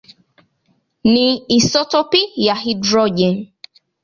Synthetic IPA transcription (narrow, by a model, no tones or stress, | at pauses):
nĩisɔtopijaɦidɾɔd͡ʒen